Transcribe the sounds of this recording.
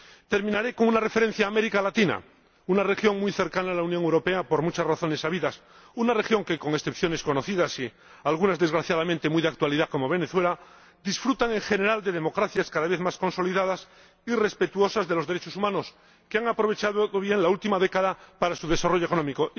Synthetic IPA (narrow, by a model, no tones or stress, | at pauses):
t̪e̞ɾmĩnaɾe̞koŋunare̞feɾe̞n̟θjaːmeɾikalat̪ina̰ | unare̞xjo̞ŋmujθe̞ɾkanaːlaunjõŋewɾo̞pe̞apo̞ɾmut͡ʃasraθo̞ne̞saβiðas | unare̞xjoŋke̞ko̞ŋe̞sθe̞pθjo̞ne̞sko̞no̞θiðasi | alɣ̞unazðe̞zɣɾaθjað̞amẽnt̪emujðak̚t̪waliðako̞mo̞β̞e̞ne̞θwe̞la | d̪isfɾut̪aŋe̞ŋxe̞ne̞ɾald̪e̞ðe̞mo̞kɾaθjaskaðaβe̞θmasko̞nso̞liðaðas | ire̞spe̞t̪uo̞sazðelo̞zðeɾet͡ʃo̞sumãno̞s | keaŋapɾo̞βe̞t͡ʃaðoðoβje̞ŋlault̪imaðe̞kaðapaɾasuðe̞saro̞ʝoekonõ̞miko̞